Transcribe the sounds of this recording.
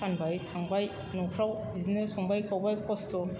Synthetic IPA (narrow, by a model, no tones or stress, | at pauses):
anbajtʰaŋbaj | nɔkʰɾawbizinesɔŋbajkʰawbajkʰɔstʰɔ